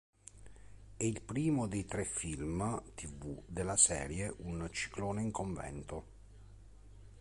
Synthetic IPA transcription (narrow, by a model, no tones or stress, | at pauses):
ɛilpɾiːmod̪ejt̪ɾɛfːilmt̪ʰivud̪elːasɛ̰ːɾjeʔunt͡ʃi̥kloːneiŋkoɱvɛ̰nt̪o